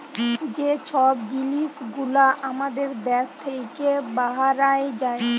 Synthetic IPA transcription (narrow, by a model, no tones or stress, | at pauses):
d͡ʑet͡ɕʰɔbd͡ʑiliʃɡulaʔamad̪eɾd̪ɛst̪ʰejkebaɦaɾaed͡ʑae